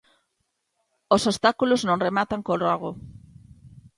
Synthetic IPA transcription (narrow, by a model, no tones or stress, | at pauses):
osost̪akuloznõŋremat̪aŋkoraɣ̞o